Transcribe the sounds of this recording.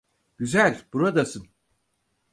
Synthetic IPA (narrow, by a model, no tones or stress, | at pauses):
ɟyzælʲbuɾad̪asɯn